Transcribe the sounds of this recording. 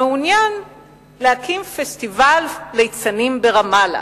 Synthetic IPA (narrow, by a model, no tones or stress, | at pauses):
eunjan | leakimfest̪ivallejt͡sanimbeʁamala̰